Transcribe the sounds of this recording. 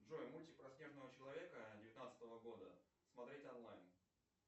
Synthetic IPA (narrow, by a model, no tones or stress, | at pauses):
ʐojmulʲtʲɪk̚pɾɐsʲnʲe̞ʐnəvət͡ɕɪlˠɐvʲe̞kədʲɪvʲɪt̪nat̪sɨ̥t̪əvəɡo̞d̪ə | smɐt̪ɾʲetʲɐnlˠajn